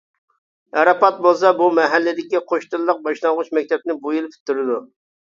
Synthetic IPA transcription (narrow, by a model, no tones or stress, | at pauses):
ɛɾɑpɑt̪̚bolˠs̬ɑbumɛɦælːɪd̪ɪkʲiqʰoʃt̪ɨllˠəq̚bɑʃlˠɑŋʁʊt͡ʃmɛk̚ʲt̪ʰɛp̚nɪbujilˠpʰɪ̥t̪ʰːyɾɪd̪u